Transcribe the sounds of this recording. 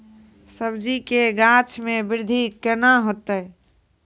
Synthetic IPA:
səbd͡ʒikeɡãt͡ʃʰmẽbɪɾd̪ʱikənaɦot̪ə

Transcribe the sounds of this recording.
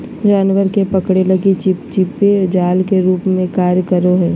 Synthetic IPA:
d͡ʒaːnʋəɾkepəkɽelɐɡit͡ʃɪpt͡ʃɪped͡ʒaːlkeɾuːpmẽkaːɾjəkəɾoɦɛː

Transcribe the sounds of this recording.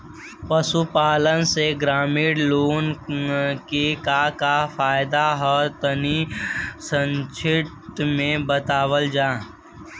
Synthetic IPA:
pəsupaːlənseɡɾaːmɪːɽloːn | kekakafaːjd̪aɦɔt̪ənisə̃nt͡ʃʰɪt̪mẽbət̪aːwəld͡ʒaː

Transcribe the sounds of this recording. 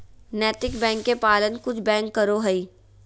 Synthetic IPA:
nɛːt̪ɪkbɛ̃ːŋkːepaːlənkʊt͡ʃʰbɛ̃ːŋkːəɾoɦəiː

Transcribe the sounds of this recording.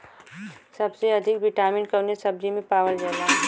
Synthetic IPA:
sɐbseɐd̪ʱɪkbɪʈaːmɪɳkɐnesɐb̚d͡ʒimẽpaːʋəld͡ʒɛːlaː

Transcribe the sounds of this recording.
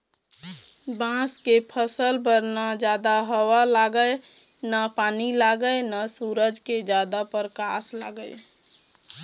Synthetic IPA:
bãskepʰəsəlbəɾnad͡ʒjaːd̪aɦəwalaːɡəj | napaːnilaɡəjnasuːɾəd͡ʒked͡ʒad̪apəɾkaːsla̰ːɡəɪ

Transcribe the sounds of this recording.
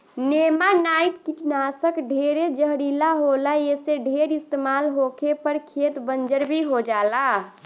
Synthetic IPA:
nemanaiʈkiʈnasəkɖʱeɾed͡ʒəɦɾilaɦolajeseɖʱeɾist̪emaːlɦokʰepəɾkʰet̪bənd͡ʒəɾbʱiɦod͡ʒaːla

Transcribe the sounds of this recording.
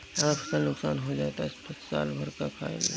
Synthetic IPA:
aːpʰkanʊksaːnɦod͡ʒaːt̪aɪspɐtsa̰ːlbʱɐɾkakʰa̰ːḛle

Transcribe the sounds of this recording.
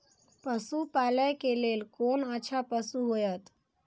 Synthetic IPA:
pəsupaləjkelelkonəːt͡ʃʰapəsuɦojət̪

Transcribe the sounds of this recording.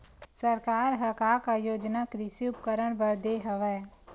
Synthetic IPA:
səɾkaːɾɦɐkaːkajoːd͡ʒnakɾɪsiʊpkəɾəɽ̃bəɾd̪eːɦəʋɛ

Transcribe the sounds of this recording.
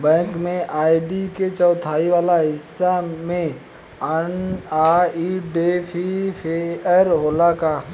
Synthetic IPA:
bɛ̃ːŋkmẽʔaːiɖiket͡ʃɔːt̪ʰaːiʋaːlaɦɪsːamẽ | ənaːiɖepʰipʰeəɾɦoːlaka

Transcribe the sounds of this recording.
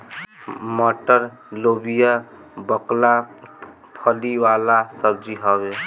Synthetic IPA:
məʈəɾ | lobija | bəkla | pʰəliwalasəb̚d͡ʒiɦəbe

